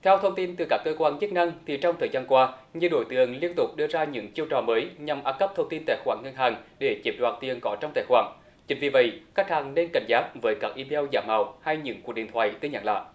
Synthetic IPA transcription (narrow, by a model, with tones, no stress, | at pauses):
t̪ʰɛ˧wt̪ʰə˧wŋ͡mt̪i˧nt̪ɨ˨˩kaː˦˥kːəː˧kwaː˧nzə˦˥t̚na˧ŋt̪ʰi˨˩t͡ɕɔ˧wŋ͡mt̪ʰəː˨˩jzaː˧nkwaː˧ | ɲɨ˧ɗo˧˦jt̪ɨ˨˩˨əŋli˧ənt̪ʊ˨˩k͡p̚ɗɨ˧əzaː˧ɲɨ̰˧˥ŋt͡ɕi˧əwt͡ɕɔ̰˨˩məː˨˦jɲa˨˩mʔaː˨˦˥p̚kə˦˥p̚t̪ʰə˧wŋ͡mt̪i˧nt̪a̰ː˧˩jxwaː˧˩ŋŋə˧nɦaː˨˩ŋɗe˧˩t͡ɕi˦˥p̚ɗwaː˨˩t̪i˨˩ənkɔ˨˦t͡ɕɔ˧wŋ͡mt̪a̰ː˧˩jxwaː˧˩ŋ | t͡ɕï˨˦ŋ̟vi˨˩və̰˧˩jka˦˥k̚haː˨˩ŋne˧nka˧˩jŋ̟zaː˦˥k̚vəː˨˦jkaː˦˥k̚ʔi˧me˧wzaː˧˩ma˨˩wha˧jɲɨ̰˧˥ŋku˨˩k̚ɗḭ˨˩nt̪ʰwa̰ː˧˨jt̪ɨ˧ɲa̰ː˧˩ŋla̰ː˧˨ʔ